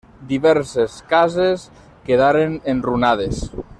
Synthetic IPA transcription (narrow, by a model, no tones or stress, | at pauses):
d̪iβɛɾseskazes | keðaɾenenrunað̞es